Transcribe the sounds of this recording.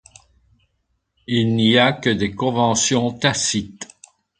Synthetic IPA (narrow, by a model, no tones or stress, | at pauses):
ilniakəd̪ekɔ̃vɑ̃sjɔ̃t̪asit̪